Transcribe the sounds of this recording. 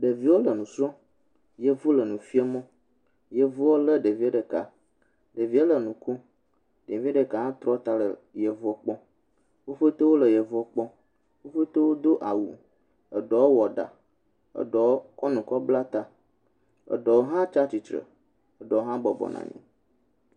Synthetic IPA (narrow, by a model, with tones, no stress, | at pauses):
ɖə˨vi˨˦wo˦lə˨nũ˨sɔ˦ | je˦vu˦lə˨nũ˨fi˦ɛ˦mɔ̃˦ | je˨vu˦wo˦lə˦ɖə˨vi˦a˦ɖə˨ka˨ | ɖə˨vi˦e˦lə˨nũ˨ku˦ | ɖe˨vi˦a˦ɖə˨ka˨ɦã˦t̪ɾɔ˦t̪a˦lə˨je˨vu˦ɔ˦k͡pɔ̃˦ | wo˦ɸə˦t̪o˦wo˦lə˨je˨vu˦ɔ˦k͡pɔ̃˦ | wo˦ɸə˦t̪o˦wo˦d̪o˦ʔa˨wṵ˨ | ə˨ɖɔ˨˦wo˦wɔ˨ɖa̰˨ | ə̰˨ɖɔ˨˦kɔ˦nũ˨kɔ˦bla˦t̪a˦ | ə̰˨ɖɔ˨wo˦ɦã˦t͡ʃa˦t͡ɕi˨t͡ʃ̪ɾə̰˨ | ə˨ɖɔ˨wɦã˦bɔ˨bɔ̰˨nã̰˨ɲḭ̃˦